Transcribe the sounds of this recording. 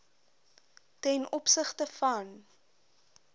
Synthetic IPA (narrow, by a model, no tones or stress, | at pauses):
tɛnʔɔpsəχtəfɐn